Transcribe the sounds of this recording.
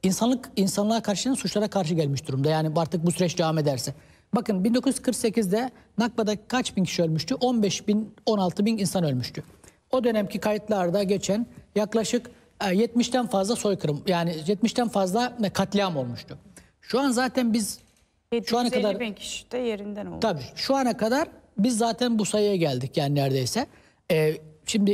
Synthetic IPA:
insanlˠɯkinsanlˠaɾkʰaɾʃɯjansut͡ʃlˠaɾakʰaɾʃ̬ɯɟɛlʲmiʃd̪uɾumd̪ajaːniaɾt̪ʰɯk̚busyɾɛt͡ʃd̪e̞vame̞d̪æɾsɛ | bakɯnbind̪o̞kuzyz̥kʰɯɾkse̞cizd̪ɛ | nak̚bad̪akʰat͡ʃbincʰi̥ʃiølʲmyʃt̪yʔo̞nbɛʃbino̞nalˠt̪ʰɯbininsanø̞lʲmyʃt̪ʰy | o̞d̪ø̞næmcʰikʰajɯt̪lˠaɾd̪aɟet͡ʃʰænjaklˠaʃɯkː | jɛt̪miʃt̪ʰænfazlˠaso̞jkʰɯɾɯmjaːnɪjɛt̪miʃt̪ʰænfazlˠakʰat̪lʲˠijamo̞lˠmuʃt̪ʰʊ | ʃuanzaːt̪ʰænbiz̥ | ʃuanakad̪aɾʰʃjeɾind̪æn̰t̪ʰabiːʃuanakʰad̪aɾbizːaːt̪ʰænbusajɯjaɟælʲd̪icjaːninæɾd̪e̞jsɛ | ɛːʃimd̪ɪ

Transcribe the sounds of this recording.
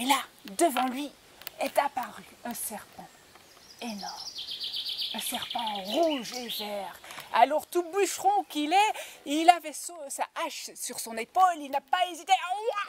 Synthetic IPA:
elad̪əvɑ̃lɥi | ɛt̪apaʁyɛ̃sɛʁpɑ̃ | enɔʁm | ɛ̃sɛʁpɑ̃ʁuʒevɛʁa̰lɔʁt̪ubyʃʁɔ̃kilɛilavɛssaaʃsyʁsɔ̃nepolilnapaezit̪eja

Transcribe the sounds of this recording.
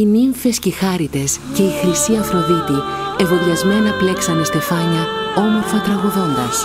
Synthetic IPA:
iniɱfescixɐɾit̪e̞sce̞ixɾisiɐfɾo̞ðit̪ie̞vo̞ðiɐzme̞nɐple̞ksɐnest̪ifɐɲɐo̞mo̞ɾfot̪ɾɐɣuðo̞nd̪ɐs

